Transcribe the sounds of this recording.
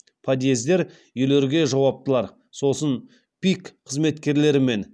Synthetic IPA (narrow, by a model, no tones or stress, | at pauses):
pʰad̪je̞zd̪e̞ɾ | jʏle̞ɾɡʲe̞ʒɑwɑp̚t̪əlˠɑɾ | so̞sən | pʲikqʰəzme̞t̪kʲe̞ɾle̞ɾɪme̞n